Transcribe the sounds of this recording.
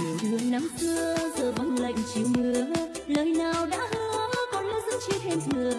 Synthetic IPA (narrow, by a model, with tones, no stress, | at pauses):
ɗɨ˨˩əŋna˨˦mt̪ɨ˧əzəː˨˩ɓa˨˧˦nlə̰˧˨jŋ̟t͡ɕi˨˩əwmɨ˨˩ə | ləː˨˩jnaː˨˩wɗa̰ː˧˥hɨ˧kɔ˨˦nlə̰˧˥zɨ̰˧˥t͡ɕi˧t̪ʰe˧mzɨ˨˩ə